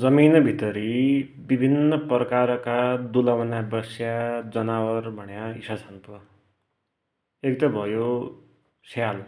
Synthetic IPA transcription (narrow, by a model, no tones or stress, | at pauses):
d͡zʌminʌbʱit̪ʌɾi | bibʱinːʌprʌkaɾkad̪ulʌwnabʌsjad͡zʌnawʌrbʱʌɳjaisat͡sʰanp̪ʌ | ekt̪ʌbʱʌjo | sal